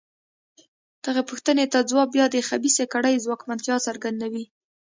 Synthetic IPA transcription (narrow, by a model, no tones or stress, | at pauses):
d̪̥əɣepʊxt̪ənet̪ad͡zwɑbjɑd̪əxabisekaɽəjzwɑkmant̪jɑsaɾɡand̪awi